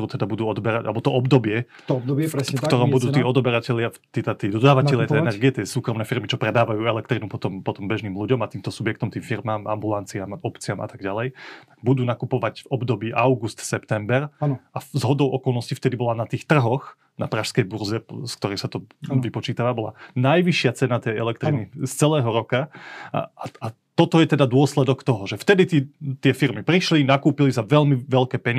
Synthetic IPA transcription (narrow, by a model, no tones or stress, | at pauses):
ɾuːt̪ɛd̪abud̪uːɔd̪bɛɾaɟʔa̰lɛbɔt̪ɔʔɔbd̪ɔbɪɛ | d̪fɾfk̪t̪ɔɾɔmbud̪uːt̪iːɔd̪ɔbɛɾacɛʎɪat̪it̪at̪iːd̪ɔd̪aːʋatnɛlʎɪat̪ɛɛnɛɾɡɡiɛt̪ɪɛsuːkɾɔmnɛːfiɾmit͡ʃɔpɾɛd̪aːʋajuːɛlɛkt̪ɾinupɔt̪ɔmpɔt̪ɔmbɛʒniːmluɟɔmat̪iːmt̪ɔsubjɛk̚t̪ɔmt̪iːmfiɾmaːmʔa̰mbulant͡siamɔpt͡siama̰t̪aɡɟalɛjt̪aɡ̥̚bud̪uːnakupɔʋaɟvɔbd̪ɔbiːʔaʊɡust̪sɛpt̪ɛmbɛɾazɦɔd̪ɔʊʔɔkɔlˠnɔscift̪ɛd̪ibɔlanat̪iːxt̪r̩ɦɔx | napɾaʃskɛjbuɾzɛskt̪ɔɾɛxsat̪ɔʋipɔt͡ʃiːt̪aʋabɔla̰najʋiʃɪat͡sɛnat̪ɛjɛlɛk̚t̪ɾinist͡sɛlɛːɦɔɾɔka | aa | t̪ɔt̪ɔjɛt̪ɛd̪ad̪ʊɔslɛd̪ɔkt̪ɔɦɔʒɛft̪ɛd̪it̪it̪ɪɛfiɾmipɾiʃlinakuːpilisaʋɛlmiʋɛlkɛːpɛɲɪ